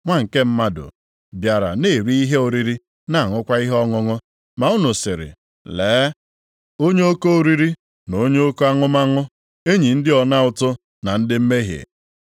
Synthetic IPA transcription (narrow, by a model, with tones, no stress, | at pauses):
ŋʷa˦ŋ̩˨ke˦m̩˦ma˦dʊ̰˨ | bja˨ɾa̰˨ne˦˨ɾi˦i˦ɦe˦o˨ɾi˦ɾi˦ | na˨ŋʊ˦kʷa˦i˦ɦɔ˦ŋʊ˦ŋʊ˦ | ma˨ʊ˦nʊ˨sɪ˨ɾɪ̰˨ | leː˨˦ | o˦ɲe˦o˦ko˦o˦ɾi˦ɾi˦ | no˦ɲe˦o˦ko˦a˦ŋʊ˦ma˦ŋʊ˦ | e˦ɲi˨n̩˦dɪ˦ɔ˨na˦ʊ˦˨tʊ˦ | na˨n̩˦dɪ˦m̩˦me˦ɦjḛ˨